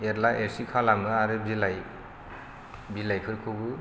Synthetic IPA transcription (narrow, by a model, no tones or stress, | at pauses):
eɾlaʔeɾsikʰalamɯaɾɯbilaj | bilajkʰɯɾkʰɯɡɯ